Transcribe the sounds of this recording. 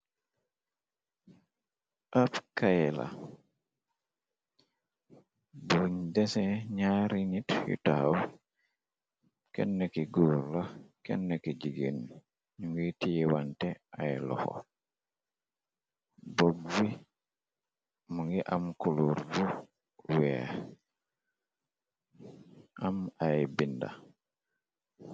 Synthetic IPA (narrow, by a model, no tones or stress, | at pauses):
ʔapkajɛla̰ | buɲdɛsɛɲaɾinithḭtaaw | kɛ̰nːəkiɡuːɾlakɛ̰nːəkiɟiɡen | ɲuŋɡitijiwantɛajlɔ̰xɔ̰ | boɡwi | muŋɡiʔamkuluːɾbu | wɛ | amajbinda̰